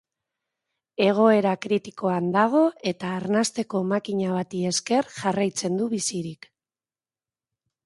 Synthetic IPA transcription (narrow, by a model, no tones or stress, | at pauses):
e̞ɣ̞o̞e̞ɾakɾit̪i̥ko̞and̪aɣ̞o̞e̞t̪aːɾnast̪e̞ko̞makiɲaβ̞at̪ie̞ske̞rʝarajt͡se̞nd̪uβisiɾik